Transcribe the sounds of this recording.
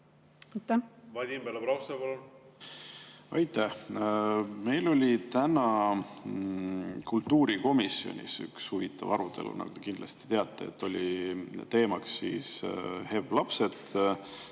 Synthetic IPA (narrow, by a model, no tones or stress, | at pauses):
ɑjt̪ːævɑd̪ʲimbelɑpɾɑwst̪ebolo | ɑjt̪æh | me̞jlo̞lʲit̪ænɑ | kult̪ːuːɾiko̞misːio̰nʲḭsy̰kshuvit̪ːˑɑvɑɾut̪e̞lṵnɑ̰ɡ̥o̥ekind̪lɑst̪i̥t̪e̞ɑt̪ˑːeḛt̪ːˑo̞lʲit̪e̞ːmɑksːiːshe̞vlɑpse̞d̪